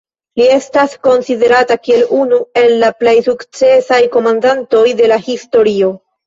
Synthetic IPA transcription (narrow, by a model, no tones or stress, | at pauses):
lie̞stasko̞nside̞ɾatakie̞lunue̞lːaple̞jsukt͡se̞sajko̞mandanto̞jde̞lahisto̞ɾio̞